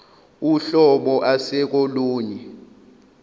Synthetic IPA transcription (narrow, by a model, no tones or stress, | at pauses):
uɬɔɓɔʔasɛk̬ʼoluːɲɛ